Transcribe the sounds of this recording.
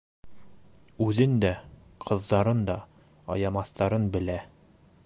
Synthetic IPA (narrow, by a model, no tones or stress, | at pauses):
ʉðɘnd̪æ | qʰɤ̆ðːɑɾɤnd̪ɒ | ɒ̰jɑmɑθt̪ɑɾɤnbɘ̆læ